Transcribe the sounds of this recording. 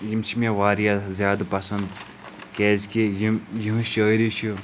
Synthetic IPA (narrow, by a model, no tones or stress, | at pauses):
jimt͡ʃʰimẽʋaːɾijazʲjaːd̪pɐsɐnd̪̚ | keːzkijimjiɦũʃəːiɾiʃʰu